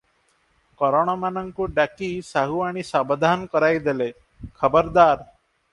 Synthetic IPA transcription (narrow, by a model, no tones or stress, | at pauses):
kɔɾɔɽ̃ɔmanəŋkuɖakisaɦuaɽ̃isabd̪ʱankɔɾajd̪ele | kʰəbəɾd̪aɾ